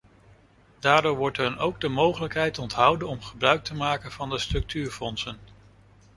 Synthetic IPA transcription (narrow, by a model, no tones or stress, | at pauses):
d̥aːɹdʊːɹʋɔɹtɦɵnowɡ̚dəmowχələkɦɛjtɔntɦʌwdənɔmχəbrœɥk̚təmaːkənv̥ɑndəstrɵk̚tyːɹfɔnsən